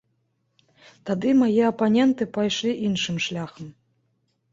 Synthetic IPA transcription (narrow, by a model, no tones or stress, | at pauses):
t̪ad̪ɨmɐjiɐpɐnʲɛnt̪ɨpɐjʃlʲiʔinʂɨmʂlʲaxəm